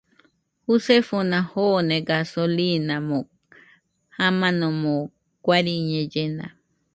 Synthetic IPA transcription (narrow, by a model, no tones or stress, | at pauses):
husefonãhonẽɡasolinamo | hamãnõmõ | kʷaɾiɲẽd͡ʒena̰